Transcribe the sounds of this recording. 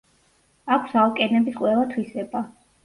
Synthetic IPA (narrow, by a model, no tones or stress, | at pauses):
akʷʰsalˠkʼɛnɛbisqʼwɛlˠat̪ʰwisɛba